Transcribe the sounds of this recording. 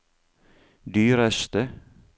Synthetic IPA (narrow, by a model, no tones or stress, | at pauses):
d̪yːɾɛst̪ə